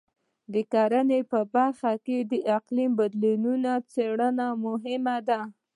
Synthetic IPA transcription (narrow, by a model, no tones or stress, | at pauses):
d̪əkaɾənepəbaɾxaked̪əʔɪqlimbad̪linunat͡seɽənamʊɦɪmad̪a